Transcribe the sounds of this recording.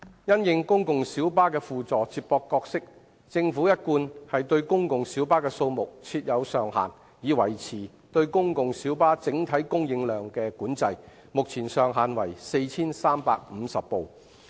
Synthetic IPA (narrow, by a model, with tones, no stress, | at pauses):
jɐ˥njɪ˨˧ŋkʊ˥ŋkʊ˨ŋsiː˨˥wpaː˥kɛː˧fuː˨t͡sɔː˨t͡siː˧p̚pɔː˧kːɔː˧k̚sɪ˥k̚ | t͡sɪ˧ŋfuː˨˥jɐ˥t̚kuː˧nhɐ˨jt̪ɵ˧ɥkʊ˥ŋkʊ˨ŋsiː˨˥wpaː˥kɛː˧so˧wmʊ˨k̚t͡sʰiː˧t̚jɐ˨˧wsœː˨˩ŋha̰ː˨n | jiː˨˧wɐ˨˩jt͡sʰiː˨˩ | t̪ɵ˧ɥkʊ˥ŋkʊ˨ŋsiː˨˥wpaː˥t͡sɪ˨˥ŋt̪ʰɐ˨˥jkʊ˥ŋjɪ˨˧ŋlœː˨ŋkɛː˧kuː˨˥nt͡sɐ˧j | mʊ˨k̚t͡sʰiː˨˩nsœː˨˩ŋɦaː˨nwɐ̰˨˩jse˧jt͡sʰiː˥nsaː˥mpaː˧k̚m̩˨˧sɐ˨pːo˨w